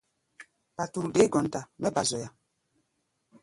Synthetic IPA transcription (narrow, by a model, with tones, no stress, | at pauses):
pa˨tu˨ɾde˦ɡɔ˨n˨ta˨mɛ˦ba˨zɔ˨ja˨